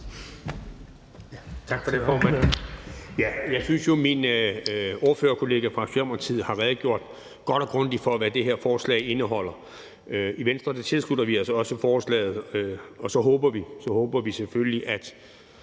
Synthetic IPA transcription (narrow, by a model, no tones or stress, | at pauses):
t͡sʰɑ̈ɡ̥fɒdefɒːmæn | jæjɑ̈ɪsynsjo̝min | o̝ːɐføːɐkʰo̝le̝ːɡ̥æfʁɑ̈sɛɐmɐt͡sʰið̞̰ˠhɑ̈ʁɛːð̞̩ˠɡ̥jo̝ɐ̰d̥ | ɡ̥ɒ̽d̥ɒ̽ɡ̥ʁɔn̰d̥ifɒ̽ʋæd̥e̝ɦeɐfɒːslɛ̰ɪe̝nəɦɒ̽l̰ɐ | iʋensd̥ʁɐd̥et͡sʰe̝lslud̥ɐʋiælsɒɒ̽səfɒːslɛ̰ːɪð̩ˠøɒ̽sɒ̽ɦɔːb̥ɐʋisɒ̽hɔ̽ːb̥ɐʋiseføləliʔæd̥